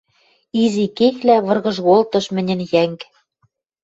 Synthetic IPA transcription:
izikexlæβɤ̆rɣɤ̆ʒɣolt̪ɤ̆ʃmɘ̆nʲɘ̆njæŋk

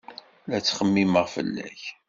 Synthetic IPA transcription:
læt͡sːχəmːiməʁfə̰lːæ̰ç

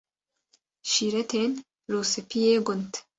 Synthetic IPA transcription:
ʃiɾet̪ʰen | ɾosepijeɡont̪

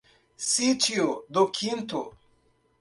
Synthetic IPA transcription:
sit͡ʃiod̪okʰint̪o

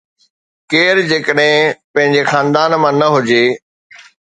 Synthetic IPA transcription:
keːɾd͡ʑeːkəɗɦɪ̃pɐ̃ɦɪ̃ɲd͡ʑexaːnd̪aːnmãnɐɦʊd͡ʑeː

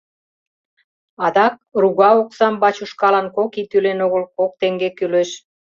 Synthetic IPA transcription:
ɑd̪ɑk̚ruɣɑoksɑmbɑt͡ɕuʃkɑlɑnkokit̪ylenoɣəlkok̚t̪eŋɡekyleʃ

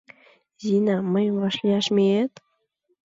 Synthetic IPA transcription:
zinɑməjmvɑʃlʲiɑʃmʲeet̪

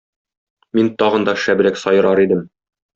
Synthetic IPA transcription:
mint̪ɒʁɤ̆nd̪ɑʃæb̆ɾæksɒjɤ̆ɾɑɾid̪ɘm

